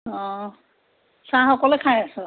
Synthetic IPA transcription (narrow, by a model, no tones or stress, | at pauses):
ɔ̃ | sãxɔkɔlekʰajasɔ